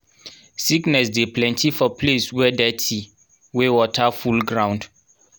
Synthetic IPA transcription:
siknɛsdeplɛ̃ntifɔpleswɛdɛtʰi | wewɔtafulɡɹãw̃nd

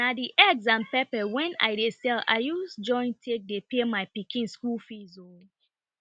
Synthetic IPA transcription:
nadiʔɛɡsãnpɛpɛwɛ̃na̰ɪdesɛla̰ɪjusd͡ʒɔ̃ɪ̃ntʰek̚depemaɪpikĩnskulfizo

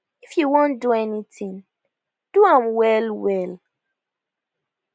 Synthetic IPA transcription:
ifjuwõnduɛnitĩŋ | d̥uãmwɛlwɛl

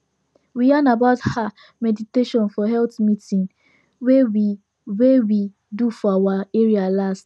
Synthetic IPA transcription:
wijanabaʊtha | mɛditeʃɔ̃nfɔɦɛltmitĩn | wewi | wewi | dufɔawaeɹialast

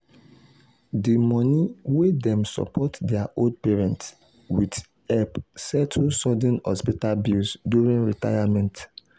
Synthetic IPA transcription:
dimɔniwedɛ̃msɔ̰pʰɔtdɛaʔold̚pɛɹɛ̃nts | wid | ɛpsɛtʰusɔdɛ̃nhɔspitalbilsdjuɹĩnɹita̰jamɛ̃nt

